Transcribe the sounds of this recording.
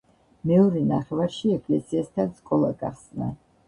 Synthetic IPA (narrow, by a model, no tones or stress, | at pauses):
mɛɔɾɛnaχɛvaɾʃiɛkʼlɛsiɛst̪ʰaskʼɔlˠaɡa̰χsna̰